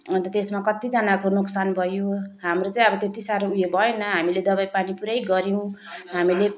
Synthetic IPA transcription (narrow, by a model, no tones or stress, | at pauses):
ʌnt̪ʌt̪esmakʌt̪id͡zʌnakonoksanbʱʌjoɦamrot͡saĩʌbʌt̪et̪isaɾoujebʱʌjenʌɦamiled̪ʌbajpanipuɾajɡʌɾiw̃ɦamile